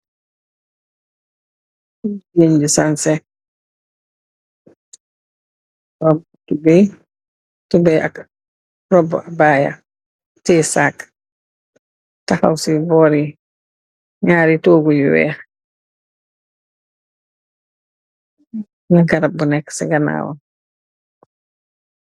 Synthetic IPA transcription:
d͡ʒeɲd͡ʒisansɛ | ɾɔb | tubɛ | tubɛʔa̰k | rɔbɔ̰ʔabaja̰ | tɛsak | taha̰wsibɔːɾi | ɲaːɾitoːɡujuwɛ̰ːx | naɡaɾabunɛksɛɡana̰ːwɔ̰

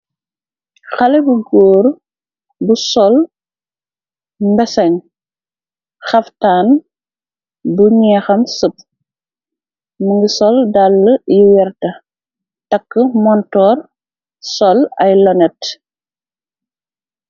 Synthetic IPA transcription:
xɐlɛbuɡɔːɾ | busɔl | mbɛsɐɲ | xɐftaːn | buɲɛxɐmsəp̚ | məŋɡisɔldalːəjiwɛɾtɐ | tɐkːəmɔntɔːr | sɔlɐjlɔnɛt

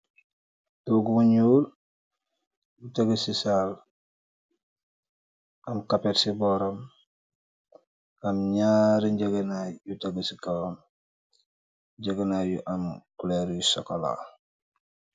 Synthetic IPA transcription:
duɡumuɲuːl | jutaɡəsisal | ɐmkapeɾsibɔɾom | amɲaːɾiɲɟaɡenajutaɡəsikawom | ɟaɡɐnajṵʔamkuleɾjusokola̰

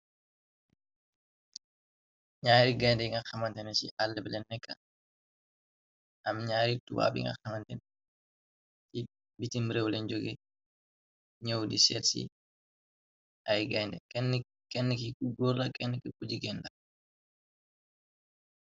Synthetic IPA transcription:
ɲaːɾiɡajndɛiŋɡɐxɐmɐntɛnt͡ʃḭʔalːɛbɛlɛnːɛkːɐ | ʔɐmɲaːɾitṵwa̰ːbḭŋɡɐ̰xɐmɐntɛn | ti | bitimɾɛwlɛnd͡ʒoɡi | ɲɔwdisɛtsḭ | ʔɐjɡajndɛ̰kɛn | kɛnːəkikuɡuɾlɐkɛnːɛkikud͡ʒiɡɛndɐ

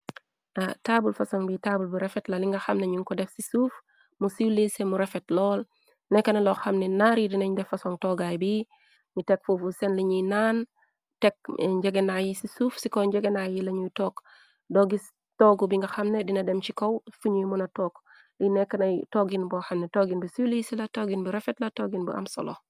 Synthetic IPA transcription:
atabulfɐsɔŋbitaːbulbiɾɛfɛtlɐliŋɡɐxɐmnɛɲuŋkɔdɛfsisuf | musiwlesɛmuɾɛfɛtlɔːl | nɛkːɐnɐlɔxɐmnɛnaːɾidinɐɲdɛfɐsɔŋtɔːɡajbi | ɲutɛk̚fufusɛnliɲijnaːn | tɛk̚ɲd͡ʒɛɡenajisisuːfsikɔɲd͡ʒɛɡenajilɐɲujtɔːk | dɔɡis | tɔːɡubiŋɡɐxɐmnedinɐdɛmt͡ʃikowfuɲujmunɐtɔːk | linɛkːɐnɐjtoɡinbɔxɐmnɛtoɡinbusiwlisɛlɐtoːɡinbuɾɛfɛtlɐtoːɡinbṵʔa̰msɔ̰lɔ

